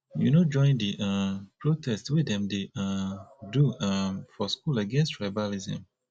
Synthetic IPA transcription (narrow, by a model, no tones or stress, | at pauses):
junod͡ʒɔ̃ɪ̃ndiʔapɹotʰɛstwidɛ̃mdeaduafɔskulaɡɛ̃nstɹabalizə̰̃m